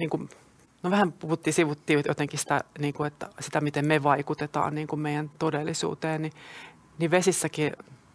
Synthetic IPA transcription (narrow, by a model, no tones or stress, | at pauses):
niːŋkum | noʋæhæmpuhut̪ːiːsiʋut̪ːiːjo̰t̪eŋkisĭ̥t̪æ̰niːŋkuet̪ːæsit̪æmit̪emmeʋɑikut̪et̪ɑ̰ːnniːŋkummeijænt̪odelːisṵːt̪eːnni | niʋesisːæki